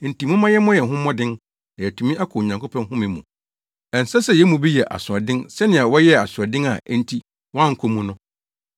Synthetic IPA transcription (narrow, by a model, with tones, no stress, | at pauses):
n̩˨ti˨mʊ̃˦mã˦jɛ˦mɔ̃˦jɛ˨ɦʊ̃˦mɔ̃˦dɪ̃˦n | na˨jɛ˨tʰũ˨mĩ˦a˦kʰʊ˨ɲã˨ŋkʰo˦pʰã˦ŋɦʊ̃˦mĩ˨mṵ̃˨ | ɛ̃˨n̩˨sɛ˦sɛ˨jɛ˨˦mũ˨bi˦jɛ˨ʔa̰˨sʊ˨ɔ˨dɪ̃˦nsɛ˦nɪ̃˨a˨wɔ˦jɛ˦a˨sʊ˨ɔ˨dɪ̃˦ŋa˨˦n̩˦tʰi˦ | wɔ̃˦a˦ŋ̩˨kʰo˦mũ˦nʊ̃˦